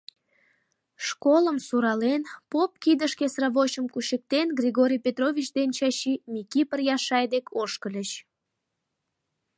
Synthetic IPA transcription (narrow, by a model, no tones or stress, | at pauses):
ʃkoləmsuɾɑlenpop̚kid̪əʃkesrɑβoɕəmkuɕək̚t̪enɡrʲiɣoɾʲijpʲet̪rovʲit͡ɕd̪ent͡ɕɑɕimikipərjɑʃɑjd̪ekʰoʃkəlʲət͡ɕ